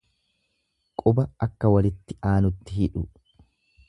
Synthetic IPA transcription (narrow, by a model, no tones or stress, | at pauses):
kʼʊbɐɐkːɐwɐlɪt̪ːɪʔaːnʊt̪ːɪhɪᶑʊ